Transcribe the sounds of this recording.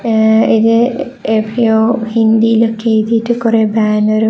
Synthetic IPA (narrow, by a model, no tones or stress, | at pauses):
iðɨ | epioːhind̪ilokːejt̪ijʈːɨkurebaːnoɾu